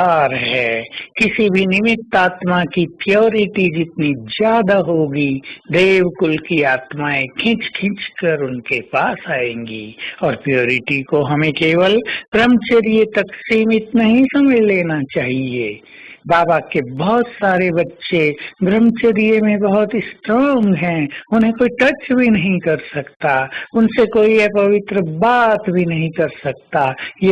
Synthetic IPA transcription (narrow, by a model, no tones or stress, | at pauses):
aːɾɦɛːkɪsibʱinɪmɪt̪ːaːt̪makipjoːɾɪʈid͡ʒɪt̪nid͡ʒjaːd̪aɦoːɡid̪eːwkʊlkiaːt̪maẽkʰɪ̃t͡ʃkʰɪ̃t͡ʃkəɾʊnkepaːsaːẽːŋɡḭɔːɾpɾijoːɾɪʈikoɦɐmẽkeːwəlɡɾəmt͡ʃəɾijət̪ɐksiːmɪt̪naɦĩsɐməd͡ʒleːnat͡ʃaːɦie | baːbakebɐɦʊt̪saːɾebɐtːʃeɡɾəmt͡ʃəɾijemẽbɐɦʊt̪sʈɾãːŋɡɦɛ̃ʊnɦẽkoːiʈɐt͡ʃbʱinɐɦĩkɐɾsɐkt̪aʊnsekoːiɦɛpɐʋɪt̪ɾəbaːt̪bʱinɐɦĩkɐɾsɐkt̪aje